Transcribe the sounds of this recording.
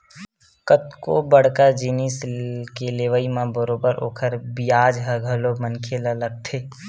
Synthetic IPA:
kət̪kobəɽ̤kəd͡ʒiniskeleːʋəimãbəɾobəɾo̰ːkʰəɾbijaːd͡ʒɦəɡʱəlomənkʰelələɡ̚ʈʰeː

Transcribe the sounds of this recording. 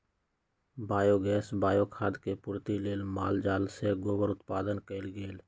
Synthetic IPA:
baːjoɡɛːsbaːjokʰaːd̪kepʊɾt̪ileːlmaːld͡ʒaːlseɡoːbəɾʊt̪paːd̪ənkəɪlɡeːl

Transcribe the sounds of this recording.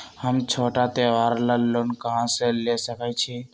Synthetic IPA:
həmt͡ʃʰoʈat̪eʋaɾləlːənkəɦãsẽlesəkɛt͡ʃʰi

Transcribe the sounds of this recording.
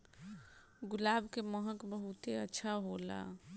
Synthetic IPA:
ɡulabʱkeməɦəkbəɦut̪eətːʃʰaɦola̰

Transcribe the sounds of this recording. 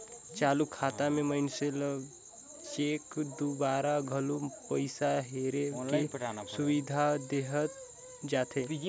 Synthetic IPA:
t͡ʃaːlukʰːaːt̪amẽməɪnsel | t͡ʃeːkd̪ubaːɾaɡʱɐlupəɪsaɦeːɾekisʊʋid̪ʱad̪eɦət̪ | d͡ʒaːt̪ʰe

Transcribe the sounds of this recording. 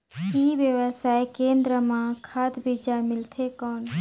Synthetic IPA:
iːʋjəwəsaːjkẽːnd̪ɾəmãkʰaːd̪bid͡ʒamɪlt̪ʰekɔːn

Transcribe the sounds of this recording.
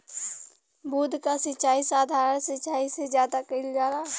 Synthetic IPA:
buːd̪ʱkasɪt͡ʃaːisaːd̪ʱaːɾənsɪt͡ʃaːisezjaːd̪akɐɪld͡ʒaːɾaː

